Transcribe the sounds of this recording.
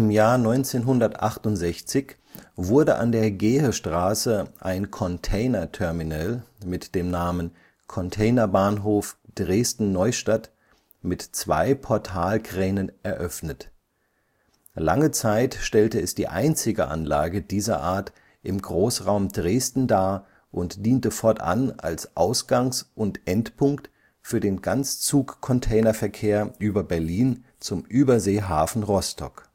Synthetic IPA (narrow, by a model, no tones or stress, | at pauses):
ɪmjaːɐnɔʏnt͡seːnɦʊndɐtʔaχtʊntz̥ɛçt͡sɪç | vʊɐdəʔa̰ndeːɐɡeːhəʃtʁ̥aːsəʔaɪnkʰɔntʰɛɪnɐtʰɛɐminɛlmɪtd̥eːmnaːmən | kʰɔntʰɛɪnɐbaːnɦoːfd̥ʁeːstn̩nɔʏʃtat | mɪtt͡sv̥a̰ɪpʰɔɐtʰaːlkʁ̥ɛːnənʔɛɐʔœfnət | laŋət͡saɪtʃtɛltəɛsd̥iːʔa̰ɪnt͡sɪɡəʔa̰nlaːɡəd̥iːzɐ̰ʔaːɐt | ʔɪmɡʁoːsʁaʊmdʁeːstn̩daːɐ | ʔʊntd̥iːntəfɔɐta̰nʔa̰lsʔaʊsɡ̥aŋsʔʊntʔɛntpʰʊŋkt | fyːɐdeːnɡant͡st͡suːkkʰɔntʰɛɪnɐfɛɐkʰeːɐʔyːbɐbɛɐliːn | t͡sʊmʔyːbɐzeːɦaːfn̩ʁɔstʰɔ̰k